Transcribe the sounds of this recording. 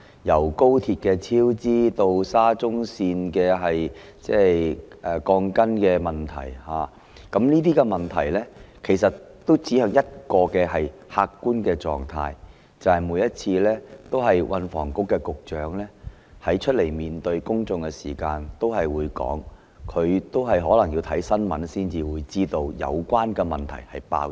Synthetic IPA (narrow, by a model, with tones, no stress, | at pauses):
jɐ˨˩wko˥wt̪ʰiː˧t̚kɛː˧t͡sʰiː˥wt͡siː˥t̪o˧wsaː˥t͡sʊ˥ŋsiː˧nkɛː˧ɦɐ˨jt͡sɛː˥ʔɛː˨˩kɔː˧ŋkɐ˥nkɛː˧mɐ˨nt̪ʰɐ̰˨˩jhaː˨˩ | kɐ˨˥mniː˥t̪̬iː˥kɛ˧mɐ˨nt̪ʰɐ˨˩jlɛː˥kʰe˨˩jsɐ˨tt̪o˥wt͡siː˨˥hœː˨˧ŋjɐ˥t̚kɔː˧kɛː˧hɐ˨jhaː˧kːuː˥nkɛː˧t͡sɔ̰ː˨ŋt̪ʰa̰ː˧j | t͡sɐ˨whɐ˨˩jmuː˨˥jɐ˥t̚t͡sʰiː˧lɛː˥t̪o˥wɦɐ˨jwʔɐ˧nfɔ̰ː˨˩ŋkʊ˥kːɛ˧kʊ˨k̚t͡ʃœː˨˥ŋlɛː˥ | hɐ˨˥jt͡ʃʰɵ˥t̚le˨˩jmiː˨nt̪ɵ˧ɥkʊ˥ŋt͡sʊ˨˧ŋkɛː˧siː˨˩kaː˧nt̪o˥wɦɐ˨jwuː˨˧jkɔ̰ː˨˥ŋ | kʰɵ˨˧ɥt̪o˥wɦɐ˨jɦɔː˨˥lɐ˨˩ŋjiː˧wt̪ʰɐ˨˥jsɐ˥nmɐ̰˨˥nsiː˥nt͡siː˨wuː˨˧jt͡siː˥t̪o˧wjɐ̰˨˧wkʷaː˥nkɛː˧mɐ˨nt̪ʰɐ̰˨˩jhɐ˨jpa̰ː˧w